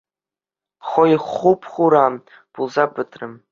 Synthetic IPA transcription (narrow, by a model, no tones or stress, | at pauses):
χojiχupʰχʷuɾam | b̥ulzabɨtʰrɨm